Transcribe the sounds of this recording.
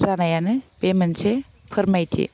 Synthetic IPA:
sanajanɯpemense | pʰɯɾmajtʰḭ

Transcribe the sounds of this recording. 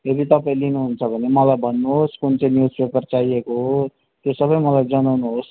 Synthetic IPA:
ed̪it̪ʌpaĩlinuɦunt͡sʰʌbʱʌnemʌlajbʱʌnːuɦoskunt͡sʌ̃njuswekʌrt͡sajekoɦo | t̪josʌbʌjmʌlajd͡zʌnawnuɦos

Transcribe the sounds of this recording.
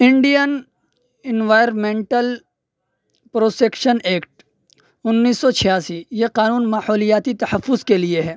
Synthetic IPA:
ɪ̃ɳɖijən | ɪnʋaːjəɾmẽːɳʈəl | pɾoːsekʃəneːkʈ | ʊnːiːsːɔt͡ʃʰɪjaːsijeqaːnuːnmaːhɔːlijaːt̪it̪ɐhəfːʊzkelieɦɛː

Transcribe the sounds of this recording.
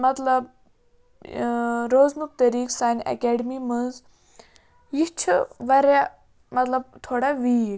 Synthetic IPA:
mɐt̪lɐb̚ | ɾoːznuk̚t̪ɐɾiːksaːnɐ̰kɛːɖmimɨnz | jit͡ʃʰʋɐɾa | mɐt̪lɐb̚t̪ʰoːɽaʋiː

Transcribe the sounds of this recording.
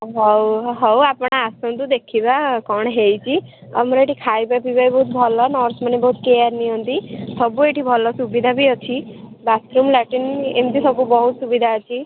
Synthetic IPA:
ɦɔwɦɔwapɽ̃aːsɔnt̪ud̪ekʰibakɔɳ̃ɦejt͡ʃʰiɔ̰mɾɔeʈikʰajbapibajbɔɦut̪̚bʱɔlɔnɔɾsmanebɔɦut̪keaɾniɔ̃nt̪isɔbueʈibʱɔlɔsubid̪ʱabʱiɔt͡ʃʰibat̪ɾumlaʈinent̪isɔbubɔɦut̪subid̪ʱaət͡ʃʰi

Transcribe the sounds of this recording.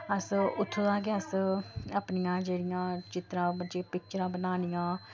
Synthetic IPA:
əsʊt̪ʰːoːd̪aːkeəsəpnɪjãːd͡ʒeːɽɪjãːt͡ʃɪt̪ɾãːəd͡ʒeːpɪk̚t͡ʃəɾãːbənaːnijãː

